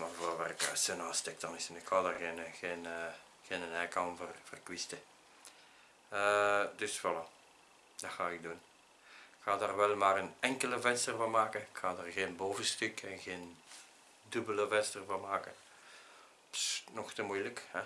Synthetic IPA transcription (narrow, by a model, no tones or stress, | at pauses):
maːrvoːrʋɛrkəsønastɛk̚d̥ɑnɪsənɪkhɑːdarɣeːnɣeːnə | ɣeːnənɛkanvərvərkwɪstə | ədʏsʋɑla | d̥axaːɪk̚dun | kxaːdaːrʋɛlˠmaːrənɛŋkələvɛnstərvɑnmaːkəɪkxaːdaːrɣeːnboːvəstʏkɛnɣeːn | dɵbələvɛnstərvɑnmaːkə | psnɔxtəmujləkhɛ